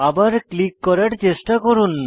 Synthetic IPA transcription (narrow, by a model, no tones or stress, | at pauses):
abaɾklikːɔɾaɾt͡ɕesʈakɔɾun